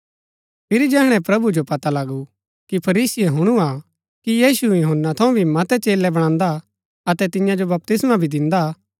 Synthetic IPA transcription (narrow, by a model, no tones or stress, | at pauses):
pʰɪɾid͡ʒɛːɦɽ̃ɛ̃pɾɐbud͡ʒopɐt̪alɐɡu | kipʰɐɾiːsɪjeɦʊɽ̃ua | kijiːsujʊɦənːat̪ʰɐũbʱimɐt̪ɛt͡ʃeːlɛbɐɽ̃ãːnd̪a | ɐt̪ɛt̪ɪ̃jãd͡ʒobɐp̚t̪ɪsmabʱid̪ɪ̃nd̪a